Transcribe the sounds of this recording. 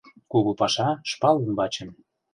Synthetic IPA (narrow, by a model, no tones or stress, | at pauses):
kuɣopɑʃɑʃpɑlənbɑt͡ɕə̆m